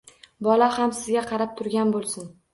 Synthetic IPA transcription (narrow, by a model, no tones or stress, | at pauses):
bɒlahamsɪzɡʲaqʰɑɾap̚t̪ʰʊɾɡʲanbolˠsɪn